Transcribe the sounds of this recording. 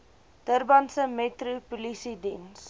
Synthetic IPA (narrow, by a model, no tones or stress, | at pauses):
d̥ərbɐnsəmetrupulisidins